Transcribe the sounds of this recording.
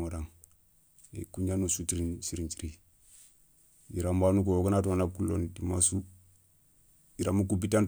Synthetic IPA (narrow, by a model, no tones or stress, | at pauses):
oɾaŋ | ḛkuɲanusutiɾinsiɾint͡ʃi̥ɾi | iɾambanuk̬ookanatonakulo̰ndimasu | iɾamuk̬ubitan